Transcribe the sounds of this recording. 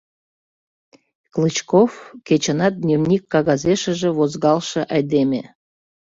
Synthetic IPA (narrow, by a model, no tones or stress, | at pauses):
klɨt͡ɕkofkʲet͡ɕə̆nɑt̪̚d̪nʲevnʲikːɑɣɑzeʃə̆ʒĕvozɣɑlˠʃə̆ʔɑjd̪emʲe